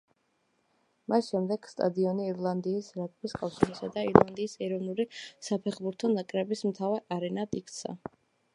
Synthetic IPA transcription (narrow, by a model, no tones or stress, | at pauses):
masʃɛmd̪ɛɡ̥st̪ʼa̰d̪iɔniːɾlˠand̪iːsɾak̪ʼbiskʼafʃiɾisad̪aiɾlˠand̪iːsɛɾɔvnulisapʰɛχbuɾt̪ʰɔnakʼɾɛbismt̪ʰavaɾaɾɛnat̪ʼikʰt̪sʰa̰